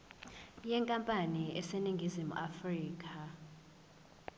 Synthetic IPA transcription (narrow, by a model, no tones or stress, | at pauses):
jɛŋkʼampʼaniʔɛseniŋɡʱizimuʔafriːk̬ʰʼa